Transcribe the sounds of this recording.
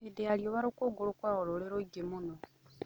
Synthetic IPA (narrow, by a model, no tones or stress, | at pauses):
edeaɾjoβaɾokoɡoɾukwaɣoɾoɾeɾoɡemuno